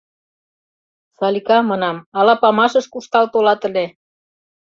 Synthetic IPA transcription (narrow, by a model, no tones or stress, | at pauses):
sɑlikɑmɑnɑmɑlɑpɑmɑʃə̆ʃkuʃt̪ɑlt̪olɑt̪ə̆le